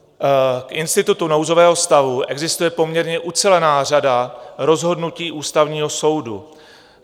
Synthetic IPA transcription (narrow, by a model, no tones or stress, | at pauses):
kʔɪnst̪ɪt̪ut̪uno̞wzo̞vɛːɦo̞st̪avuʔɛɡzɪst̪ujɛpo̞mɲɛɾɲɛʔut͡sɛlɛnaːr̝adaɾo̞zɦo̞dnuciːʔuːst̪avɲiːɦo̞so̞wdu